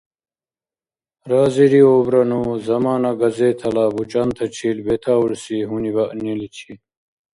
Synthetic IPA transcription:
ɾaːziɾioːbɾɐnuzɐmaːnɐɡɐzeːt̪ʰɐlaːbut͡ɕant̪ʰɐt͡ɕʰiːlbet̪ʰaːuɽsiɦunibɐʔnilit͡ɕʰi

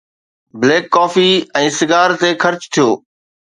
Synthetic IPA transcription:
bleːkːɔːfiɛ̃ːsɪɡaːɾt̪exɐɾt͡ɕt̪ʰijoː

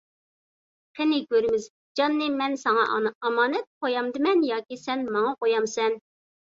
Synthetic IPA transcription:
qʰenɪɡʲøɾɪmɪz | d͡ʒɑnːɨmɛnsɑŋɑɑmɑːnɛt̪̚qʰojɑmd̪ɨmɛnjɑːkʲisɛnmɑŋɑʔojɑmsɛn

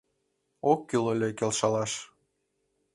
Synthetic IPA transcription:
okːilolʲekelʃɑlɑʃ

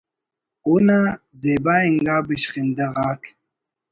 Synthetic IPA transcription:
una | zebaiŋɡaːbiɕχind̪ɐʁaːk

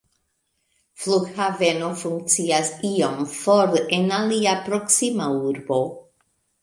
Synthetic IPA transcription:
flukhavenofuŋk̚t͡siasiomfoɾenaliapɾoksimauɾbo

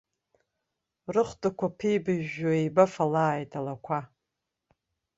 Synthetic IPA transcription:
rɨχʷtʼakʷʰapʰejbɨʒaejbafalaːjtʼalakʷʰa

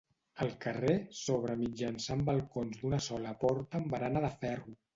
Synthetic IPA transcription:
əlˠkəresoβ̞ɾəmid͡ʒansambəlˠkonzd̪unəsɔləpɔɾt̪əmbəɾanəðəfɛru

